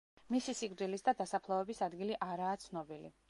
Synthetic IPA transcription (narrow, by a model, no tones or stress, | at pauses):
misisikʼɾd̪ilisd̪ad̪asapʰlˠaɛbisad̪ɡiliʔaɾaːt̪sʰnɔbilḭ